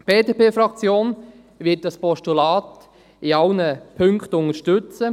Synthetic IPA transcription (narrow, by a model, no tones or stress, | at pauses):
b̥eːdeːpeːfɾɑkt͡sjoːn | ʋɪːt̚dɑspɔʃtulɑːt | iɑwnəpʰɵŋkχtʊnəɾʃtʏt͡sə